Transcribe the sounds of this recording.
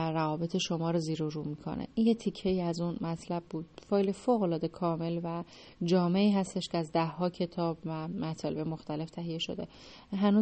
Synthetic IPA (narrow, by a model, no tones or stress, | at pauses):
ɾævɒːbe̞t̪ʰeʃo̞mɒːɾoziːɾoɾuːmiːkʰo̞̰nʔḛʔinjet̪ʰicʰːe̞iːæzunmæt̪ʰlæbːuːd̪̥̚fɒːjlefoːɣo̞lɒːd̪e̞kʰɒːme̞lvæ | d͡ʒɒːme̞iːɦæst̪e̞ʃcʰeæzd̪æhːɒːcʰe̞t̪ʰɒːbvæmæt̪ʰɒːle̞bemoxt̪æle̞ft̪ʰæɦijeʃo̞̰d̪e̞̰ | ɦænuː